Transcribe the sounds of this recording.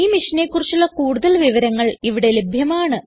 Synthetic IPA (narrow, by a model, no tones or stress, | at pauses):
iːmiʂɐneːkːurit͡ɕːuɭːɐkuːɽuðɐlʋiʋɐɾɐŋːɐɭiʋiɽe̞lebʱjɐmaːɳɨ